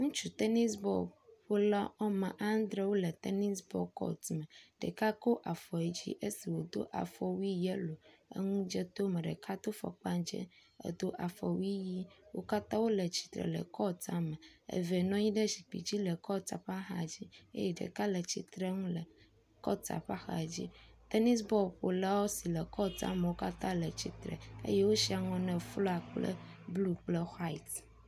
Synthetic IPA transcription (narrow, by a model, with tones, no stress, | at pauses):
ŋũ˦t͡ʃu˨t̪ɛ˦ni˦sbɔ̰˦ɸo˦la˦ɔ˦mã̰˨ʔa˦n˦d̪ɾɛ˦wo˦lɛ˨t̪ɛ˦ni˦sbɔ̰˦kɔ̰˦t̪mɛ˨ɖ̥ɛ̰˨ka˦ko˦ʔa˨fɔ˨e˨d͡ʑḭ˦ʔe˦si˨wo˨d̪o̰˦ʔa̰˨fɔ˨wi˦jɛ˦lo˨ḛ˦ŋũ˦d͡ʒɛ˦t̪o˦mɛ˨ɖɛ̰˨kʰa˦t̪o˦fɔ̰˨k͡pa˦d͡ʒɛ̰˦ɛ̰˨d̪o˦ʔa˨fɔ˨wi˦ji˦wo̰˦ka˦t̪ã˦wo˦lɛ˨t͡ɕi̥˨t̪ɾɛ̰˨lɛ̰˨kɔ˦t̪a˦mɛ̃˨ḛ˨ve˨nɔ̃˦ɲĩ˦ɖɛ˦ʃi˨k͡pḭ˨d͡ʑi˦lə˨kɔ˦t̪a̰˨ɸa˦xa˨d͡ʑi˦ḛ˦jɛ˨ɖə̰˨ka˦lə˨t͡ɕḭ˦t̪ɾe˦ŋũ˦lə˨ | kɔ̰˦t̪a̰˨ɸa˦xa̰˨d͡ʑḭ˦t̪e˦ni˦s̬bɔ˦ɸo˨la˦wɔ˦si˨lə˨kɔ˦t̪ã̰˦me˨wo˦ka˦t̪ã˦lə˨t͡ɕi˨t̪ɾə̰˨ḛ˦je˦wo˦si˦a˨ŋɔ̃˨nɛ̃˨flɔ˦a˨k͡plə̰˦blu˦k͡plə˦xa˦i˨t̪